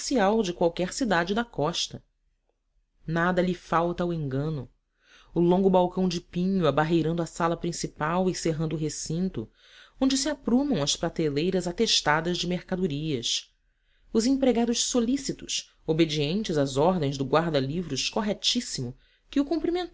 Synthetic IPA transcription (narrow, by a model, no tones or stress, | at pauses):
siawd͡ʒɪkwawkɛɾsid̪ad͡ʒɪd̪ɐkɔʃt̪ɐ | nad̪ɐʎɪfawt̪ɐwẽŋɡɐ̃nʊ | ʊlõŋɡʊbawkɐ̃w̃d͡ʒɪpĩɲʊabaɦejɾɐ̃nd̪ʊɐsalɐpɾĩsipawɪseɦɐ̃nd̪ʊɦesĩnt̪ʊ̰ | õd͡ʒɪsiapɾũmɐ̃w̃ɐspɾat̪elejɾɐzat̪eʃt̪ad̪ɐzd͡ʒɪmeɾkad̪uɾiɐs | ʊzẽpɾeɡad̪ʊʃsolisit̪ʊʃ | obed͡ʒiẽnt͡ʃɪzazɔɾd̪ẽj̃zd̪ʊɡwaɾd̪ɐlivɾʊʃkoɦɛt͡ʃisimʊ | kɪʊkũmpɾimẽ